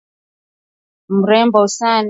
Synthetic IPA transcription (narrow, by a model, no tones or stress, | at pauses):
muɾɛmbɔusan